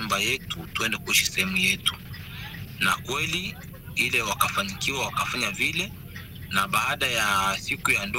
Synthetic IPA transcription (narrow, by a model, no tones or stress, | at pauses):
umbajɛtutuɛndɛkuiʃi̥sɛhɛmujɛtu̥ | nakwɛli | ilɛwakafaɲikiwawakafaɲavilɛ | naɓaːɗajasikujandɔ